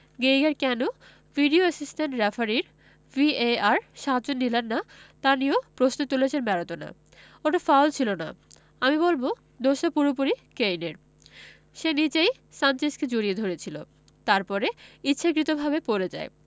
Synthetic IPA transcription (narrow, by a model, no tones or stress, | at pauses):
ɡejɡaɾkɛno | viɖioasisʈenʈɾefaɾiɾ | vieaɾʃad͡ʑonːilanːat̪aniopɾosnot̪uleʃeɾmɛɾot̪ona̰ | oʈafawlt͡ɕʰilona̰ | amibolbo | d̪oʃapuɾop̬uɾikejneɾ | ʃenit͡ɕej | sant͡ɕesked͡ʑoɾied̪ʱoɾet͡ɕʰilo̰ | t̪aɾpɔɾeitːɕʰak̬ɾit̪obʱabepoɾed͡ʑa̰e